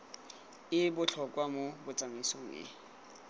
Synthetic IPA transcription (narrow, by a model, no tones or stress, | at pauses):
ɪbʊt͡ɬʰɔkʼwamobʊt͡sʼamisoŋ̩ɪ̰